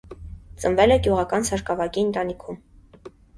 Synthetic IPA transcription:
t͡sənvɛlɛɡjuʁɑkɑnsɑɾkɑvɑkiənt̪ɑnikʰum

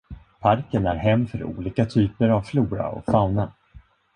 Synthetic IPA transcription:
pʰaɾkənæɾɦɛmːfœɾṵːliːkat̪ʰyːpəɾavfluːɾa̰ɔ̰fawna

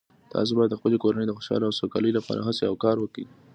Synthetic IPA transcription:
t̪ʰɑ̰s̬obɑjad̪ːəxpəlekoɾanejd̪əxoʃɑ̰loawsokɑləjolapɑ̰ɾʔa̰ɦaseawkɑɾwəki

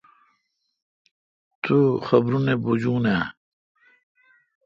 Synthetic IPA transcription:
t̪ʰuxɐbɾunebud͡ʑuːna

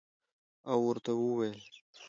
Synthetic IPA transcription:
awːəɾt̪awuwajl

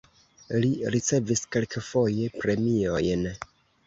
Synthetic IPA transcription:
liɾit͡se̞viske̞lkʰefo̞je̞pɾe̞mio̞̰jn

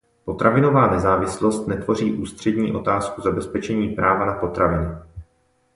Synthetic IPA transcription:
po̞t̪ɾavɪno̞vaːnɛzaːvɪslo̞st̪nɛt̪vo̞r̝iːʔuːst̪r̝̥ɛdɲiːʔo̞t̪aːskuzabɛspɛt͡ʃɛɲiːpɾaːvanapo̞t̪ɾavɪnʊ

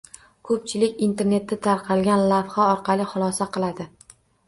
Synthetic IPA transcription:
kʰɵp̚t͡ʃʰɪlɪkʲint̪ʰe̞ɾne̞t̪ʰːɪt̪ʰaɾqʰɑlˠɡʲanlafχaɒɾqʰɑlɪχʊlˠɒsaqʰɨlˠad̪ɪ

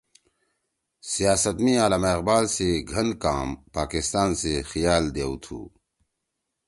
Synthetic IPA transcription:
sijaːsət̪mĩaːlameqbaːlseɡʱɐnkaːmpaːkɪst̪aːnsexijaːld̪eːwt̪ʰṵː

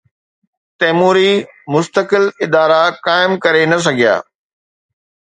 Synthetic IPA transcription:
t̪ɛːmuːɾi | mʊst̪əkɪlɪd̪aːɾakaːɪmkɐɾenɐs̬ɐɡʱija̰ː

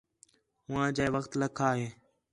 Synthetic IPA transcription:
ɦʊʋãːd͡ʒaːeːʋəxt̪ləkʰaːɦeː

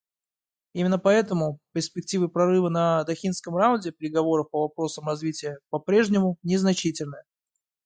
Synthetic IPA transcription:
imʲɪnːəpɐɛt̪əmʊpʲɪrspʲɪk̚tʲivɨpɾɐrɨvənəd̪ɐxʲinskəmraʊnʲdʲɪpʲɾʲɪɡɐvo̞ɾəfpəvɐpɾo̞səmrɐzvʲitʲɪjəpɐpɾʲe̞ʐnʲɪmʊnʲɪznɐt͡ɕitʲɪlʲnəjə

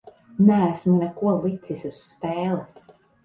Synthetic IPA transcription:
nææsmunɛkuɔlˠit̪sisusːpɛːlˠɛs

